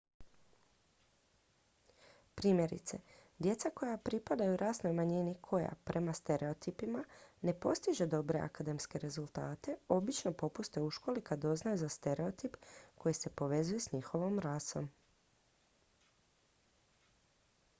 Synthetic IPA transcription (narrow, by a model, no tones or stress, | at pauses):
pɾiːmje̞ɾḭt̪se̞̰d̪je̞t̪sako̞japɾipad̪ajuɾʔaːsno̞jmaɲinikʰo̞ja̰pɾʔe̞mast̪e̞ɾe̞o̞t̪ipimane̞po̞st̪iʒe̞d̪o̞bɾe̞a̰kad̪e̞mske̞ɾe̞zult̪aːt̪e̞o̞bit͡ʃno̞po̞pust̪e̞uʃko̞likad̪o̞znajuzast̪e̞ɾe̞o̞t̪ipko̞jise̞po̞ʋe̞zuje̞sɲixo̞ʋo̞mɾaso̞m